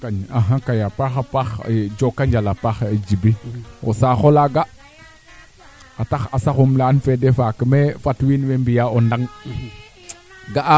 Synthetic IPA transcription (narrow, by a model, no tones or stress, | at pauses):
kaɲaɦãkajapaxapaxd͡ʒokaɲd͡ʒalapaxed͡ʒibio̰saxolaɡa | ataxasaxumlaːnfɛdɛfakəmefatwinwembijaondaŋ | ɡaʔ